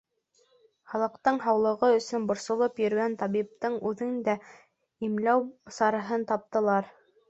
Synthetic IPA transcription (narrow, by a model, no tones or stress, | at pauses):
χɑlˠɤ̆qt̪ɤɴɦɑwlˠɤ̆ʁɤɵ̆sɵnbŏɾsŏlˠɤpjɵ̆ɾɡænt̪ɑβip̚t̪ɤɴʉðɘnd̪æ | imlæwsɑɾɤ̆ɦɤnt̪ɑp̚t̪ɤ̆lˠɑɾ